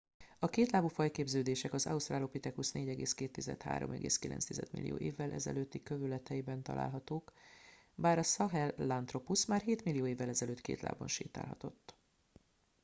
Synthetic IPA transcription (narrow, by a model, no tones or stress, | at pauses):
ɒkeːt̪laːbufɒjkeːbzøːd̪eːʃɛkɒzɒ̰ust̪raːlo̞pit̪ɛkusneːɟɛɡeːskeːt̪ːizɛ̰t̪ha̰ːɾo̰mɛɡḛːskilʔɛ̰nst̪izɛ̰d̪mḭlːijo̰ːʔḛːvːɛlʔɛ̰zɛ̰løːt̪ːikøvylɛt̪ʰɛjibɛnt̪ɒ̰la̰ːlɦɒt̪oːk | baːɾɒsɒɦɛlːant̪ro̞pusmaːrɦeːt̪milːijoːeːvːɛlɛzɛløːt̪kḛːt̪la̰ːbonʃḛːt̪a̰ːlɦɒ̰t̪o̞t̪ː